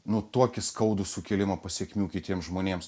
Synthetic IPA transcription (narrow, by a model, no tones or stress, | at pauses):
nʊt̪oɔkʲɪskɐʊd̪ʊsʊkʲɛlʲɪmɐpɐsʲiɛkmʲuːkʲɪt̪ʲiɛmsʒmoːnʲeɛms